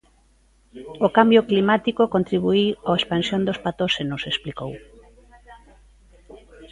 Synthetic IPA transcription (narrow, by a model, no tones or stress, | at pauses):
okambjoklimat̪ikokont̪ɾiβ̞uiwoespansjond̪ospat̪oʃenosesplikow